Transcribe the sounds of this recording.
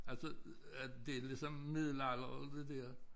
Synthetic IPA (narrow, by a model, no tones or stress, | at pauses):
ælsə | d̥e̝lisɒmmið̰ˠlɑlɐɒld̥ed̥ɛɐ̰